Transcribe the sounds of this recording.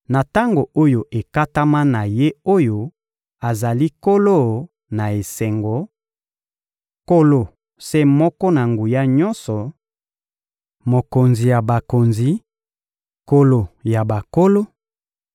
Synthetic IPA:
na˨ta˦ŋɡo˨ʔo˦jo˨ʔe˨ka˦ta˦ma˦na˨je˦o˦jo˦ | a˨za˨li˦ko˦lo˦˨ | na˨e˨sɛ˨ŋɡo˨˦ | ko˦lo˨ | se˦mɔ˦kɔ˦na˨ŋɡu˨ja˦ɲɔ˦nsɔ˨ | mo˨ko˨nzi˨ja˨ba˨ko˨nzi˨ | ko˦lo˨ja˨ba˨ko˦lo˦

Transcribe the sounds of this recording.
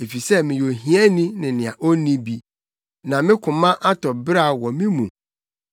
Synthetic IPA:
e˨fi˨sɛ˦mɪ̃˨jo˨ɦĩ˨˦ɛ˦nĩ˦nɪ̃˨nɪ̃˨ã˨ʔo˦nĩ˦bi˨ | nã˨mɪ̃˦kʰʊ̃˨mã˦ʔa˦tʰɔ˨bɾa˦˨wɔ˨mɪ̃˦mũ˨

